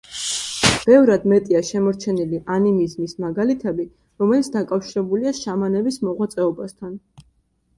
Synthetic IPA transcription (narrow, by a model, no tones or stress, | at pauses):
b̥ɛvɾad̪mɛt̪ʼiaʃɛmɔɾt͡ʃʰɛniliʔanimizmismaɡalit̪ʰɛbi | ɾɔmɛlit̪sʰd̪akʼafʃiɾɛbuliaʃamanɛbismɔʁwat̪sʼɛɔbast̪ʰan